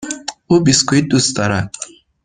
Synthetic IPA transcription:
ubiskuid̪ust̪aɾa

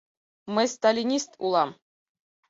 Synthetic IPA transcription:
mɘjʲst̪alʲinʲist̪ṵlˠɑm

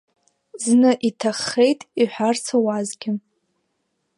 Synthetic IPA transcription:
znɨʔitʰaχːe̞jtʼiħʷᶣart͡sʰawazɡʲɪ

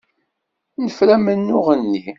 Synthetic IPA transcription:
nəfɾæmənːʊʁənːi

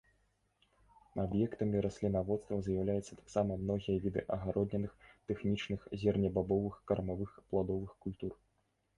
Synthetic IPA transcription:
abjɛkt̪ɐmʲiɾɐsʲlʲinavɔt̪st̪vɐzjawlʲajɛt̪sːɐ̥t̪ḁksamɐmnɔɣʲijɐvʲid̪ɨ̰ʔɐɣaɾʔɔd̪ʲnʲɛnɨxt̪ɛxnʲit͡ʂnɨxzʲɛrnʲɐbabɔvɨxkɐrmavɨxplˠad̪ɔvɨxkulʲt̪ur

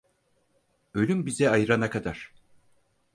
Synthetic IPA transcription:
ø̞lʲymbizɛajɯɾanakʰad̪aɾ̥

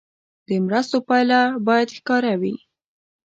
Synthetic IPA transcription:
d̪̥əmɾast̪opɑjlabɑjad̪xkɑɾawi

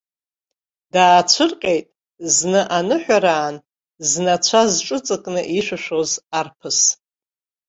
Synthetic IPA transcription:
d̥aːt͡ɕʷʰɨrqʲʼejtʼ | znɨʔanɨħʷᶣaɾaːn | znat͡ɕʷʰazʈ͡ʂʼɨt͡sʼɨkʼnɨʔiʃʷᶣɨʃᶣozarpʰɨs

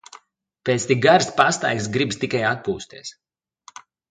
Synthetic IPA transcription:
pet̪st̪iɡaɾspast̪a̰jksɡɾibst̪ikajat̪̚puːst̪ʲiɛs

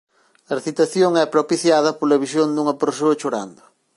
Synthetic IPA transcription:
ɐrθit̪ɐθjoŋɛpɾopiθjaðɐpolɐβisjond̪uŋɐpeɾsoɐt͡ʃoɾa̰nd̪ʊ

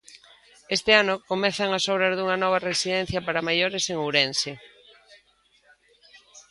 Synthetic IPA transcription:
est̪ɪanokomɛθɐŋasɔβɾazðuŋɐnɔβ̞ɐresiðɛn̟θjɐpaɾamajoɾeseŋuwɾense

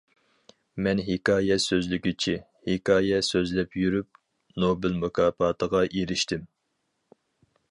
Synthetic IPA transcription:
mɛnɦekɑːjɛsøzlɪkʲit͡ʃʰi | hekʰɑːjɛsøzlɛpjyɾyp̚ | nobɪlmukʰɑːpɑːt̪ʰəʁɑʔeɾɪʃt̪ɪm

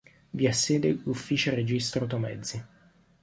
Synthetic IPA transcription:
viasːeːd̪elufːiːt͡ʃored͡ʒist̪ɾot̪omɛd̪zːi

